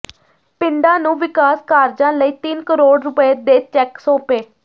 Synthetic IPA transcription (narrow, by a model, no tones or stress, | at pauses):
pɪnd̪ãːnũːʋɪkaːskaːɾd͡ʒãːləiːt̪ɪnkəɾoːɽɾʊpeːd̪eːt͡ʃɛːksoːpeː